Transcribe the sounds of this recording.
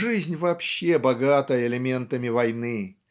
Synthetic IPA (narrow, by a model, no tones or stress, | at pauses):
ʐɨzʲnʲvɐːpɕːebɐɡat̪əjəɪlʲɪmʲe̞nt̪əmʲɪvɐjnɨ